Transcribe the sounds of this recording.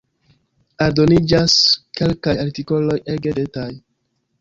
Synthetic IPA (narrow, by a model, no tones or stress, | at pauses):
aɾdo̞nid͡ʒaske̞lkajaɾtiko̞lo̞jeɡedetaj